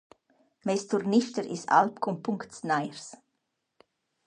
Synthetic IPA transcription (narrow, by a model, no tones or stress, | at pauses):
mɛstʰuɾnɪʃtəɾɪsa̰lp̚kʰʊmpʰʊŋktsnaɪəɾs